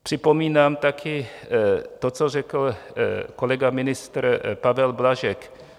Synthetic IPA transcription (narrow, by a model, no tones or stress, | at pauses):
pr̝̥ɪpo̞miːnaːmt̪akʰɪ | t̪ot͡sor̝ɛkl̩ko̞lɛɡamɪnɪst̪rpavɛlblaʒɛk